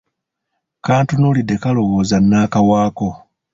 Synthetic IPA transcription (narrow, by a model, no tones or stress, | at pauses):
kaːntunuːlidːe̞kalo̞ɣo̞ːzanːaːkawaːko̞